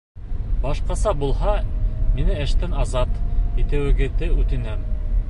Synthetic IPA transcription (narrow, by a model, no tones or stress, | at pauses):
bɑʃqɑsɑbulˠɦɑminɘɘ̆ʃt̪ɘnɑzɑt̪it̪ɘ̆wɘ̆ɡɘ̆ðɘʉt̪ɘ̆næm